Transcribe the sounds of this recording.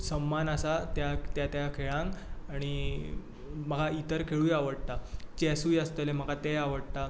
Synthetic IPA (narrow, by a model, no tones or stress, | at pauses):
səmːanəsat̪jat̪jat̪jakʰeɭãŋkaɽ̃i | məɡʱait̪əɾkʰeɭujaʋəɽt̪at͡ɕɛsuːjast̪əlem̤əɡat̪eaʋəɽt̪a